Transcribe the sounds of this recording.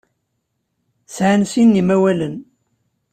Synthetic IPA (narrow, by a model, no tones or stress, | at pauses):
sʕansinːimæwælən